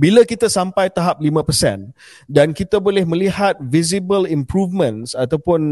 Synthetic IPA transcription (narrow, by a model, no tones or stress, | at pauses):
bilakit̪asampajt̪aɦap̚limə̃pəsɛ̰n | dankit̪abolɛhmə̃lihat̪̚vizibəlimpɾuvmə̃nsat̪awpʊn